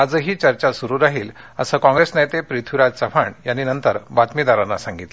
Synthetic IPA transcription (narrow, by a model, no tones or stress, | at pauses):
ad͡zəɦiːt͡ɕəɾt͡ɕasuɾuːɾaɦiːlə̰səkɔ̃ŋɡɾesnajt̪epɾit̪ʰiɾad͡zt͡səfʰaɳjanːiːnənt̪əɾbat̪mid̪aɾanːasaŋɡit̪l